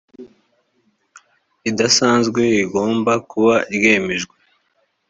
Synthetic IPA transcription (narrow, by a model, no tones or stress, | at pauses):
idasaːnzɡwe̞iɡo̞ːmbakuβaiɾɡe̞ːme̞ʒɡwe̥